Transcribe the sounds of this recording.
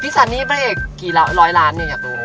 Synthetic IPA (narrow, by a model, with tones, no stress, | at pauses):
pʰiː˦˥˩saː˨˩nniː˥˩pʰɾa˧˥ʔeː˨˩k̚ːiː˨˩la˦˥ɾɔː˦˥jlaː˦˥nːi˧˩ka˧˩po˧˩